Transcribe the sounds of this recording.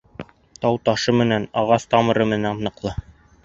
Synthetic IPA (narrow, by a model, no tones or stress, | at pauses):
t̪ɑwt̪ɑʃɤmɘ̆nænɑʁɑst̪ɑmɤ̆ɾɤmɘ̆nænɤ̆qlˠɤ